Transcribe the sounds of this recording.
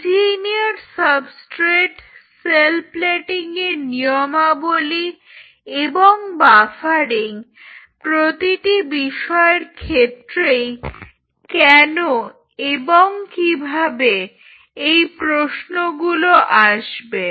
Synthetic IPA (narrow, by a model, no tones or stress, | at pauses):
siniaɾsəbsʈɾeʈselplɛʈiŋeɾniomaboli | eboŋbafaɾiŋ | pɾot̪iʈibiʃɔeɾkʰet̪ːɾej | kɛno | eboŋkibʱabe | ejpɾosnoɡuloʔaʃbe